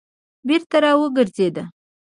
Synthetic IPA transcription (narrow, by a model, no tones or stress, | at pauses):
beɾt̪aɾɑwəɡəɾzed̪a